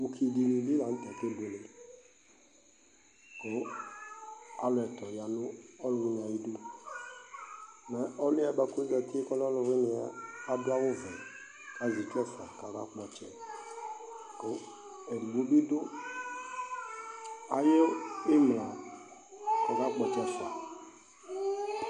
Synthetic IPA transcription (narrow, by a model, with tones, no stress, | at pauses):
u˦kʰi˨di˨nĩ˨bi˦la˨n̩˦t̪ɛ˨ke˦bʊ˨le˨ | ko˦ | a˨lʊ˨ɛ˨t̪ɔ˨ja˨nʊ˦ɔ˦lʊ˨˦ɲã˨ji˦dʊ˦ | na˨˦ɔ˦lɪ˦a˨ba˦kʊ˦e˦ɡɛ˨t̪ɪ˦e˦kɔ˦llʊ˨wɪ˦nɪ˨a̰ː˨˦dʊ˦a˦wʊ˦vɛ˨ | ka˨zi˨t͡ʃɛ˦fa˨ka˨ɡa̰˦k͡pɔ˨t͡ʃɛ˨ | ko˨˦ | ɛ˨ɡ͡bu˨o˦bi˦dʊ˦ | a˨je˦ɪ˦m˨la˨ | ka˨ɡa˦k͡pɔ˨t͡ʃɛ˨sa̰˨